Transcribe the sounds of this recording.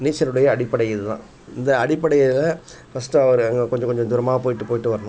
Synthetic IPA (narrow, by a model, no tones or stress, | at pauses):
niːt͡ʃːɐɾɯɽɐjɐːɽɪpːɐɽɐjɪðɯt̪ã̰ː | ɪnd̪ɐːɽɪpːɐɽɐjlɐ | fɐsʈːɯɐʋɐɾɯɐŋɡɐkɔɲd͡ʒɐ̃kɔɲd͡ʒɔ̃d̪ʊɾɐmaːɣɐpoːjɪʈːɯpoːjɪʈːɯʋɐɾɐnʊ̃